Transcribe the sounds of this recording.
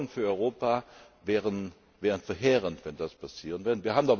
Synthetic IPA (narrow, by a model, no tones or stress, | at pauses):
ənfyːɐɔʏʁoːpa | vɛːʁən | vɛːʁənfɛɐɦeːʁəntvɛndaspʰasiːʁənvɪɐdəviːɐhaːbm̩dɔ